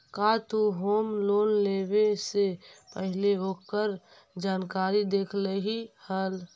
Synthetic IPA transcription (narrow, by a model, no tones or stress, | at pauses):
kat̪uɦoːmloːnlebesepəɦleoːkəɾ | d͡ʒaːnkaːɾid̪eːkʰleɦihəl